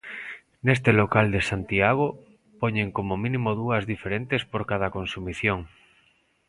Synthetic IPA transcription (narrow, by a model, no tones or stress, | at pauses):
nes̬t̪elokald̪esant̪iaɣo | poɲeŋkomomĩnimoðuɐzðifeɾent̪espoɾkað̞ɐkonsumiθjoŋ